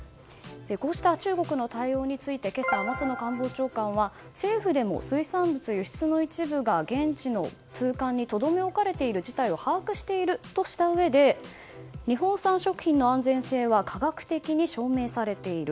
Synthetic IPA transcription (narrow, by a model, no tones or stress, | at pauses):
eko̞ːɕi̥t̪at͡ɕɨːɡo̞kɯ̟no̞t̪aio̞ːɲ̟it͡sɨit̪e̞ke̞samat͡sɨno̞kãmbo̞ːt͡ɕo̞ːkãɰ̃βa | se̞ːɸɯ̟d̪e̞mo̞̰sɨisãmbɯ̟t͡sɨjoɕi̥t͡sɨno̞it͡ɕibɯ̟ɡaɡẽ̞ɲt͡ɕino̞̰ | t͡sɨːkãɲ̟ːit̪o̞d̪o̞me̞o̞kaɾe̞t̪e̞iɾɯ̟d͡ʑit̪aio̞haːkɯ̟ɕi̥t̪e̞iɾɯ̟t̪o̞ɕi̥t̪aɯ̟βe̞d̪e̞ | ɲ̟iɦõ̞ɰ̃sãɰ̃ɕo̞kɯ̟çʲĩnːo̞ãnd͡zẽ̞ɰ̃se̞ːβakʰaɡakɯ̟̥t̪e̞kʲiɲ̟iɕo̞ːme̞ːsaɾe̞t̪e̞iɾɯ̟